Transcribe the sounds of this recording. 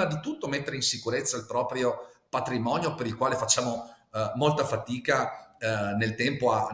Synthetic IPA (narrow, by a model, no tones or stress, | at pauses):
ad̪it̪ut̪ːomet̪ːeɾeinsikuɾet̪sːailpɾɔːpɾjopat̪ɾimɔːnjopeɾilkwaːlefat͡ʃːaːmo | molt̪afat̪iːka | nelt̪ɛmpoa